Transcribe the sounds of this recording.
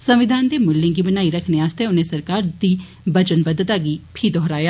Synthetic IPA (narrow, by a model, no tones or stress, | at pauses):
səmʋɪd̪ʱaːnd̪eːmʊlːẽːɡiːbənaːiːɾəkʰneaːst̪eʊnẽːsəɾkaːɾd̪iː | bət͡ʃənbəd̪ət̪aːɡiːpʰiːd̪ɔɦɾaːjaː